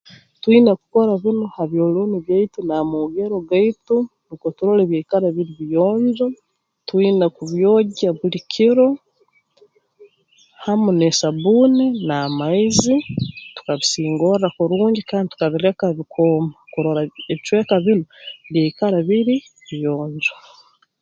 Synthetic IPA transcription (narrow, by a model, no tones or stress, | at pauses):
twiːnaku̥ko̞ɾaβinohaβjo̞ːloniβjaitunamuɡeɾo̞ɡaitunikotuɾoleβjaikaɾaβiɾiβijoːɲd͡ʒo | twiːnakuβjo̞ːɟaβulikʰiɾo̞ | hamunesaβuːninaːmaizitu̥kaβisiːŋɡoɾrakuɾuːɲɟikaːndit̪u̥kaβiɾe̞kaβikʰoːmakuɾoɾaeβit͡ʃwe̞ːkaβinoβjeikaɾaβiɾi | βijoːɲd͡ʒo